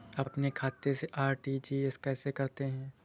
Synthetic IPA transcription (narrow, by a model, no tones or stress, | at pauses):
ɐpnekʰaːt̪eseʔaːɾʈid͡ʒiːeskɛːsekɐɾt̪eɦɛ̃ː